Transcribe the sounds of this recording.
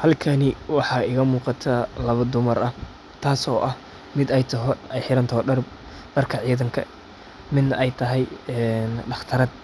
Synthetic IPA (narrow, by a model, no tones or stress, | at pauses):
hɐlkʰɐnɪwɑħɑːɪɣɐmuːqɑt̪ʰɐlɐβɐd̪ʊmɐrɐ | t̪ʰaːsɔːʔɐh | mɪd̪ɛjt̪ʰɐɦɔɛjħɪɾɐnt̪ʰɔhɔɖɐr | b̥ɐrkʰɐʕiːðɐŋkʰɐ̰ | mɪd̪nɐʔɛjt̪ʰɐɦɛjɛnɖɑχt̪ʰɐɾɐːd̪̚